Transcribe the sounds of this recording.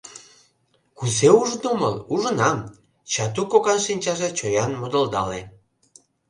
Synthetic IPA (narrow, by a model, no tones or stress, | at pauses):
kuzeuʒd̪omə̰luʒənɑm | t͡ɕɑt̪ukoɣɑnʃinʲt͡ɕɑʒet͡ɕojɑnmod̪əld̪ɑle